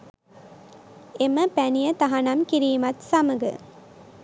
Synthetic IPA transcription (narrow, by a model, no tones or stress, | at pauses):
eməpænijɐt̪ɐɦɐnɐmkiɾiːmɐt̪sɐmɐɡɨ̰